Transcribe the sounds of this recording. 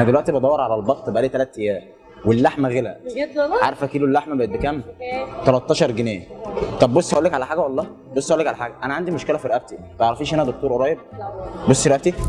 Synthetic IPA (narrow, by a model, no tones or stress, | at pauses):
ʔænæd̪elwæʔt̪ibɑd̪ˤɑwːɑɾˤʕalælbɑt̪ˤːebʔælːit̪ælæːt̪ːejæː | welːaħmæɣelæʕaɾˤfækiːlːulːaħmæbæjet̪bekæmt̪ælɑt̪ˤːɑːʃɑɾˤɡenæːt̪ˤɑbːosːhæʔuːlːekʕalæħaːɡæwɑlˤːɑː | bosˤːhæʔulːekʕalæħaːɡæʔænæʕand̪imoʃkelæfiɾeʔæb̚t̪it̪ʕɾɑfiːʃhænæd̪ok̚t̪oːɾʔoɾˤɑːjeb̚bosːiɾeʔæbt̪i